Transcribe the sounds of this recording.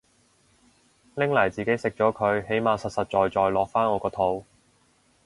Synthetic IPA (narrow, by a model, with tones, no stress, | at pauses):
lɪ˥ŋlɐ˨˩jt͡siː˨ke˨˥jsɪ˨k̚t͡ʃɔː˨˥kʰɵ˨˧ɥhe˨˥jmaː˨˧wsɐ˨t̚sɐ˨t̚t͡ʃɔː˨jt͡ʃɔː˨˧jlɔː˨k̚faː˥nŋɔː˨˧kɔː˧t̪ʰo˨˥w